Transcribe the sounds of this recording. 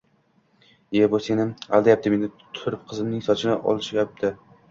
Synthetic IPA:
jebose̞nɪma̰lˠd̪ajap̚t̪ɪme̞nɪt̪ʰʊʊɾɪp̚qʰɨzɪmnɪŋsɒt͡ʃʰɪnɪʔɒ̰lˠɪʃɡʲap̚t̪ʰɪ

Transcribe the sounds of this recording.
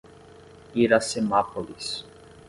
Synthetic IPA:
iɾasemapolis

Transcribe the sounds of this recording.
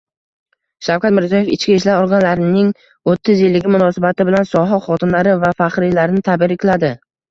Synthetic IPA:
ʃawkʲʰat̪mɪɾzijɒje̞fɪt͡ʃkʲaɪʃlaɾɒɾɡanlaɾɪnɪŋ | ot̪ʰːɪzjɪlːɪɡʲɪmʊnɒsabat̪ʰɪbɪlansɒɦɒχɒt̪ʰɪmlaɾɪvafaχɾilaɾɪnɪt̪ʰabɪɾɪkʲʰɪlad̪ɪ

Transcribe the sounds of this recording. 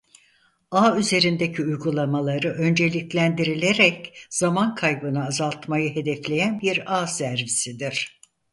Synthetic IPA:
aːyze̞ɾind̪ecʰiujɡulˠamalˠaɾɯʔø̞nd͡ʒe̞lʲiclʲænd̪iɾilʲe̞ɾɛcz̥amankʰajbɯnɯːzalˠt̪majɯhe̞d̪ɛflʲe̞jænbiɾaːsæɾvisid̪iɾ̥

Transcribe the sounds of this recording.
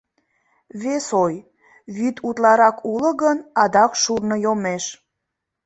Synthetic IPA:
βesoj | βyt̪ʰut̪lɑɾɑkʰulɤ̆ɣənɑd̪ɑkʃurnəjomeʃ

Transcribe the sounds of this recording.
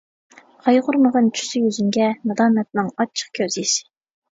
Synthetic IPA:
qʰɑjʁʊɾməʁənt͡ʃʰy̥syjyzyŋɡʲɛmɨd̪ɑːmːɛt̪̚nɨŋɑt͡ʃʰə̥qkʲʰøziʃɪ̥

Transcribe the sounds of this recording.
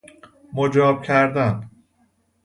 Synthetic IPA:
mod͡ʒɒːb̚cʰæɾd̪æn

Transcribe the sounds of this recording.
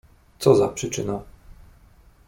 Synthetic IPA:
t̪sɔzapʂɘt͡ʂɘ̰na

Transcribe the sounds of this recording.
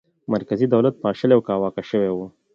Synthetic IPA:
maɾkazid̪awlat̪̚pɑːʃəlewkɑːwɑkaʃəwewo

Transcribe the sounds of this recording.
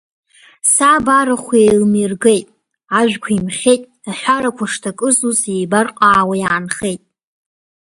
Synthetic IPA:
sabaɾaχʷejlmirɡejtʼ | aʒᶣkʷʰaimχʲejtʼ | aħʷᶣaɾakʷʰaʂtʰakʼɨsusejbarqʼaːwajaːnχe̞jtʼ

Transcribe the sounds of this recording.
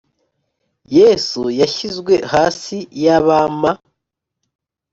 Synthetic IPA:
jeːsujaçizɡwe̞ɦaːsijaβama

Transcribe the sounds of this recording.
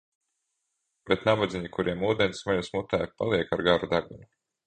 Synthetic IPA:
bet̪nabɔd̪ziɲikuɾʔiɛmuːd̪ʲensmaʎusmut̪ajpa̰lˠiɛkaɾɡaɾud̪aɡunu

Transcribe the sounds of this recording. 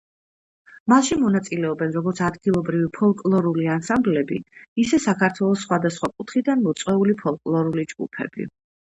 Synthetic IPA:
malˠʃimɔnat̪sʼilɛɔbɛnɾɔɡɔɾt̪sʰad̪ɡilˠɔbɾivipʰɔlˠkʼlˠɔɾuliansamblɛbḭisɛsakʰaɾt̪ʰwɛlˠɔsːχwad̪asχwakʼut̪ʰχid̪anmɔt̪sʼwɛulipʰɔlˠkʼlˠɔɾulid͡ʒɡṵpʰɛ̰b̥ḭ

